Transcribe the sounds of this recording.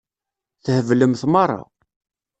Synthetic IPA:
θhəvləmθmɑrˤːɑ̰

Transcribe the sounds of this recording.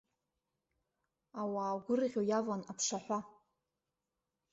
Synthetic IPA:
awaːɡʷʊrɨʁʲojavanapʰʂaħʷa

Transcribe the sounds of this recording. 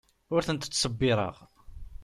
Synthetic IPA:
ʊɾθənt̪ət͡sːsəbːɪɾˤə̰ʁ

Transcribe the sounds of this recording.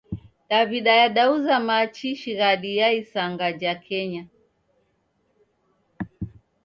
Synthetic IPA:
ɗaviɗajaɗauzamat͡ʃiʃiɣaɗijaisaŋɡad͡ʒakʰɛɲa

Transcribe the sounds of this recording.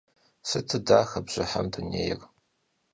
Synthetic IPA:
sɨtʰɨdaːxɐbʑ̥ɪħamdʰɨneːjɪr

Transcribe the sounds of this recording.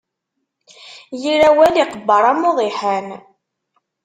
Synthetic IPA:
jiɾæwæliqəbːəɾˤɑmoðˤiħæn

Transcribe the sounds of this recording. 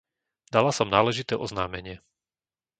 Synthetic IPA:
d̪alasɔmnaːlɛʒit̪ɛːʔɔznaːmɛɲɪɛ

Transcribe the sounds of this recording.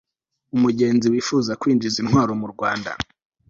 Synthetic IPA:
umuɟe̞ːnziwiːfuːzakwiːnd͡ʒizinɦwaːɾomuɾɡwaːnda̰

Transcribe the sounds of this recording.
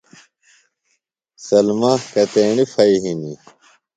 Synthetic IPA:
sɐlmahkɐt̪eːɳifɐiɦini

